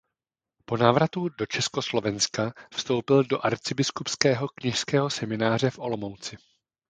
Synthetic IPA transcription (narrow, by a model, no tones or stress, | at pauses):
po̞naːvɾat̪udo̞t͡ʃɛsko̞slo̞vɛnskafst̪o̞wpɪldo̞ʔaɾt͡sɪbɪskupskɛːɦo̞kɲɪʃskɛːɦo̞sɛmɪnaːr̝ɛfʔo̞lo̞mowt͡sɪ